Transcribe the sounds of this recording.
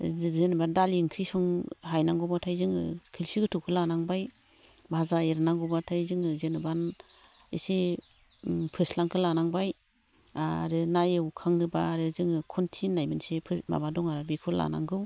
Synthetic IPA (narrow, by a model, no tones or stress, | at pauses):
zenɯbandaliŋkʰɾisɔŋɦajnaŋɡɔbawtʰajzɯŋɯ̰kʰilsiɡɯtʰukʰɯlanaŋbaj | bʱazaeɾnaŋɡɔbatʰajzɯŋɯzenɯban | ḭsi | pʰɯslaŋkʰɯlanaŋbaj | aɾɯnajɯwkʰaŋnɯbaːɾɯzɯŋɯkʰɔntʰinajbɯnsepʰɯma̰badɔŋaɾabekʰɯla̰na̰ŋɡɯw